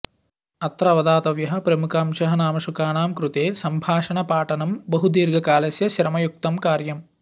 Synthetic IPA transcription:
ɐt̪ɾɐʋɐd̪aːt̪ɐʋjɐɦɐ̆pɾɐmukʰaːmʃɐɦɐnaːmɐʃukaːɳaːmkɾut̪eːsɐmbʱaːʂɐɳɐpaːʈɐnɐmbɐɦud̪iːɾɡʱɐkaːlɐsjɐʃɾɐmɐjuk̚t̪ɐmkaːɾjɐm

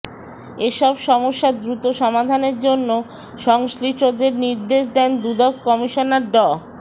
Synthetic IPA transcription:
eʃɔbʃɔmoʃːad̪ɾut̪oʃɔmad̪ʱaneɾd͡ʑonːo | ʃɔŋʃliʈod̪eɾniɾd̪eʃd̪ɛnd̪ud̪ɔkkɔmiʃonaɾɖɔ

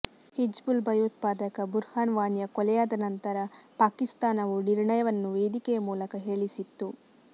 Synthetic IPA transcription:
hid͡ʒbulbʱɐjuːt̪̚paːd̪ɐkɐbuɾhaːnʋaːnjɐkɔlɛjaːd̪ɐnɐnt̪ɐɾɐpaːkist̪aːnɐʋuniɾɳɐjɐʋɐnːuʋeːd̪ikɛjɐmuːlɐkɐɦe̞ːɭisit̪ːu

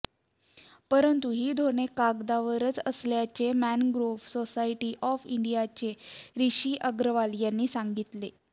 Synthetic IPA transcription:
pəɾənt̪uɦiːd̪ʱonekaɡd̪aʋəɾət͡səsljat͡ɕemænɡɾofsosaiʈiːʔɔfḭɳɖijat͡ɕeɾiɕiːʔəɡɾəʋaljanːiːsaŋɡit̪le

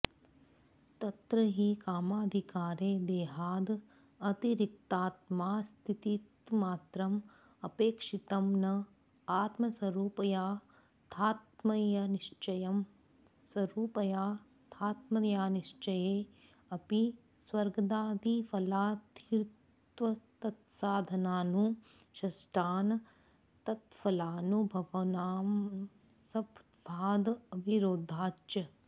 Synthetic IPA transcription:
t̪ɐt̪ɾɐɦikaːmaːd̪ʱikaːɾeːd̪eːɦaːd̪ | ɐt̪iɾik̚t̪aːt̪̚maːst̪ʰit̪it̪maːt̪ɾɐm | ɐpeːkʂit̪ɐmnɐ | aːt̪mɐswɐɾuːpɐjaː | t̪ʰaːt̪mɐjɐniʂt͡ʃɐjɐm | swɐɾuːpɐjaː | t̪ʰaːt̪mɐjaːniʃt͡ʃɐjeː | ɐpi | swɐɾɡɐd̪aːd̪ifɐlaːt̪iɾtt̪ʋɐt̪ɐt̪saːd̪ʱɐnaːnu | ʃɐsʈaːnɐ | t̪ɐt̪fɐlaːnubʱɐʋɐnaːm | sɐb̪ | bʱaːd̪ɐbʱiɾoːd̪ʱaːt͡ʃjɐ

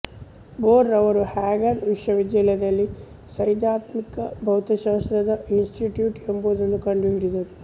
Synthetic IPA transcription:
boːɾːɐʋɐɾuhaːɡɐnʋiʂʋɐʋid̪jɐlɐd̪ɐlːi | sɐjd̪jaːt̪mikɐbʱɐwt̪ɐʃaːst̪ɾɐd̪ɐinsʈiʈjuːʈemboːd̪ɐnːukɐɳɖiɦiɽid̪ɐɾu

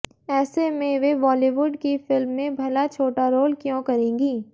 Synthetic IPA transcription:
ɛːsemẽʋeʋɔːliːʋʊɖkifɪlmːẽbʱɐlat͡ʃʰoːʈaɾoːlkjõːkɐɾẽːɡiː

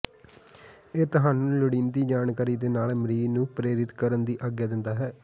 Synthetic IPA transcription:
eːt̪ʊɦaːnuːləɽiːnd̪iːd͡ʒaːnkaːɾiːd̪eːnaːlmɾiːnũːpɾeːɾɪt̪kəɾənd̪iːʔaɡjaːd̪ɪnd̪aːɦɛː

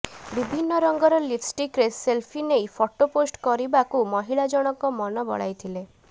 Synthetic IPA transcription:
bibʱinːɔɾɔŋɡɔɾɔlipsʈikɾeselpʰinejpʰɔʈoposʈkɔɾibakumɔɦiɭad͡ʒɔɽ̃ɔkɔmɔnɔbɔ̰ɽa̰jt̪ʰile

